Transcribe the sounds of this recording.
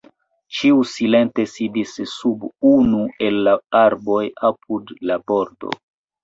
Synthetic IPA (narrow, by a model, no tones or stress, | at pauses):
t͡ʃiusile̞nte̞sidisːubunuʔe̞lːaaɾbo̞jap̚ʰudlabo̞ɾdo̰